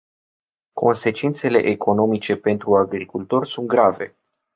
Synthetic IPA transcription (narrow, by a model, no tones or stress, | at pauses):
kʰo̞̰nse̞t͡ʃint̪se̞le̞̰ʔekʰo̞no̞mit͡ʃe̞pe̞nt̪ɾuaɡɾikult̪o̞rʲsunt̪̚ɡɾave̞̰